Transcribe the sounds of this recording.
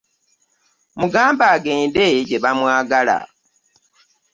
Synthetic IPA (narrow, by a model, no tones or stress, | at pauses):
muɡaːmbaːɡe̞ːndeɟeβamwaːɡala̰